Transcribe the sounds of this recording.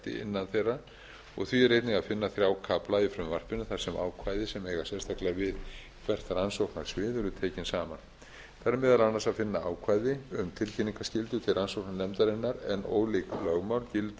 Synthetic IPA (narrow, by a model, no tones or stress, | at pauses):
t̪ɪ̰ɪ̰nːanθejra | ɔ̰ɣθɥiɛrejt̪nɪŋɣaðfɪnːaθɾjaːwkʰaplaifɾʏmvar̥pɪnʏθaɾ̥sɛmʔa̰ːwkʰvaːjðɪsɛmejɣasɛnst̪ʰahklɪavɪð | kʰvɛr̥t̪ɾansowknaɾ̥svɪːðʏɾʏt̪ʰeːjcɪnsaːman | θaɾɛmɛːðalanːasaðfɪnːaaːwkʰvaːjðɪʏmt̪ʰɪlcʰɛniŋkascɪlt̪ʏt̪ʰɪlransowknanɛmt̪aɾɪnːaɾɛ̰no̰ːwliklœɣmawlcɪlt̪